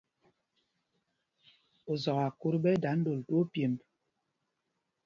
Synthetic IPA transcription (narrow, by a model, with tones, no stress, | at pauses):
o˨zɔ˨ɣa˨ku˦ɾbɛ˦da˨˦n˦do˨ltu˦o˦pje˨mb